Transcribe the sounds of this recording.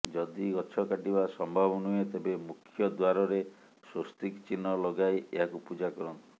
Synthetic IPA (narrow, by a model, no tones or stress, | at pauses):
d͡ʒɔd̪iɡɔt͡ʃʰɔkaʈibasɔmbʱabɔnuet̪ebemukʰjɔd̪waɾɔɾe | sost̪ikt͡ʃinɔlɔɡajeɦakupud͡ʒakɔɾɔnt̪i̥